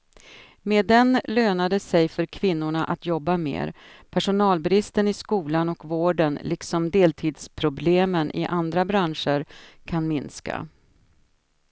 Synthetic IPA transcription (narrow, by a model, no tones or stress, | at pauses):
med̪ɛnløːnad̪əsɛjfœɾkʰvɪnːʊɳaʔat̪jɔbːamḛːɾpʰæʂʊnɑːlbɾɪst̪ənɪskuːlanɔkvoːɖənlɪksɔmd̪eːlt̪ʰiːd̪spʰɾʊbleːmənʔɪ̰ʔand̪ɾabɾanʂəɾkʰanmɪnska̰